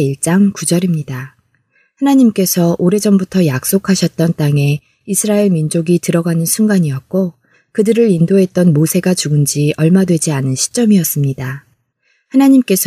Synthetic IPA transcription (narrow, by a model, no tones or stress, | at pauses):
iɭt͡ɕ͈aŋkud͡ʑʌɾimɲida | hanaɲimk͈e̞sʰʌʔoɾe̞d͡ʑʌmbutʰʌjak̚s͈okʰaɕʰʌt̚t͈ʌnt͈aŋe̞ | isʰɯɾaeɭmind͡ʑoɡitɯɾʌɡanɯnsʰuŋɡaɲijʌt̚k͈o | kɯdɯɾɯɾindoɦe̞t̚t͈ʌnmosʰe̞ɡat͡ɕuɡɯnd͡ʑiʔʌɭmadwe̞d͡ʑianɯnɕʰi̥t͡ɕ͈ʌmiʌs͈ɯmɲida | hanaɲimk͈e̞sʰ